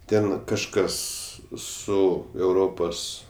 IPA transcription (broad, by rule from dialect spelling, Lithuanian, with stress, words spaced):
ˈtʲɛn kɐʃˈkɐs ˈsʊ ɛʊˈroːpoːs